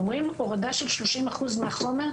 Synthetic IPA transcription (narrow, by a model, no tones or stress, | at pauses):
mʁimoʁad̪aʃelʃlo̞ʃimaχuzmeaχomeʁ